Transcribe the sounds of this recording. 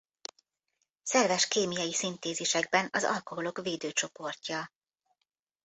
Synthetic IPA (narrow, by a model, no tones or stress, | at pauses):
sɛrvɛʃkeːmijɒjisint̪eːzeːʃɛɡ̚bɛnɒzɒ̰lko̞ɦo̞lo̞kveːd̪øːt͡ʃo̞po̞rcːɒ